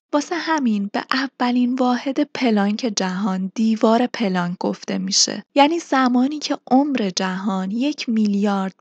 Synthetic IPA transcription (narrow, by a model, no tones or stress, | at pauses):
b̥ɒːsehæminb̥e̞̰ʔævːæliːnvɒːhe̞d̪e̞pʰe̞lɒːŋcʰe̞d͡ʒæɦɒːnd̪̥iːvɒːɾe̞pʰe̞lɒŋk̚ɡo̞ft̪e̞̰miːʃḛjæːniːz̥æmɒːniːcʰe̞ʔomɾe̞d͡ʒæɦɒːnje̞cʰmiljɒːɾd̪̥̚